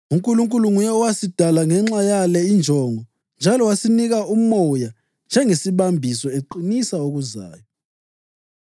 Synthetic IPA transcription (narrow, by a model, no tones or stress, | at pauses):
uŋkʼuluŋkʼuluŋujɛɔwasid̥ʱalaŋɛŋ͡ǁajalɛind͡ʒʱɔŋɔ | nd͡ʒʱalɔwasiniɣaumɔja | nd͡ʒʱɛŋesiβambʱisɔeǃinisaoɣuza̰ːjɔ